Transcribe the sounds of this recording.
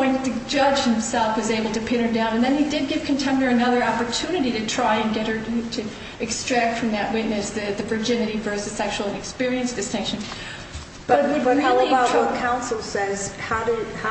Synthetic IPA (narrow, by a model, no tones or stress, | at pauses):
ɔ̃ɪ̃nɨd͡ʒʌd͡ʒ̥hɨ̃msɛlˠfwʌzeɪbl̩ˠtɨpʰɪ̃ɾ̃ə˞dãʊ̃nɨ̃nðɨ̃nidɨd̚ɡɪv̥kʰɨ̃ntʰɛ̃mnə˞ɨnʌðə˞ɑpə˞tʰʉnɨɾiɾɨtʰɹ̥aɪɨ̃nɡɛt̚hə˞ɾɾɨ | ɨkstɹ̥æk̚tfɹʌ̃mðɨʔ̚wɪtⁿnɨsðɨðɨvə˞d͡ʒɪ̃nɨɾivɜ˞sɨz̥sɛkʃl̩ˠɨ̃nɨkspɪɹiɨ̃nsd̥ɨstɪ̃ŋkʃɨ̃n | b̥ʌʌwɨd̚ɹɪlˠəiḁkʰãʊ̃nsl̩ˠsɛz̥haʊɾɨh